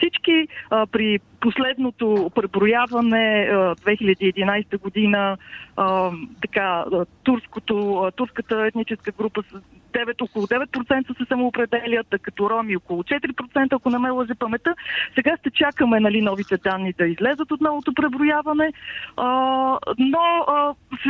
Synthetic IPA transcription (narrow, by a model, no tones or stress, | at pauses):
fsit͡ʃkiəpɾi | poslɛd̪not̪opɾɛbɾʊjavɐnɛəd̪vɛxilʲəɛd̪iːɛd̪inajst̪əɡod̪inəət̪ɐkaət̪uɾskot̪ot̪uɾskət̪əɛt̪nit͡ʃɛskəɡɾupəsd̪ɛvɛt̪okolˠʊd̪ɛvɛt̪̚pɾotsɛnt̪əsɛsəmoːpɾɛd̪ɛlʲət̪kɐt̪ɔɾɔmiokolˠʊt͡ʃɛt̪ɾipɾot̪sɛnt̪əɐkonɐmɛlˠəʒɛpɐmɛt̪əsɛɡaʃt̪ɛt͡ʃakəmɛnɐlinɔvit̪ɛd̪anːid̪ɐizlɛzət̪ot̪nɔvot̪opɾɛbɾʊjavɐnɛə | noəs